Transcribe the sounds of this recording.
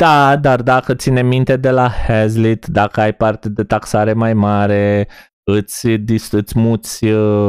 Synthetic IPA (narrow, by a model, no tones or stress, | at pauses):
d̪̥ad̪ard̪akət̪sinemint̪ed̪elahɛzlit̪d̪akəajpart̪ed̪et̪aksaɾemajmaɾe | ɨt̪sʲd̪isɨt̪sʲmusʲ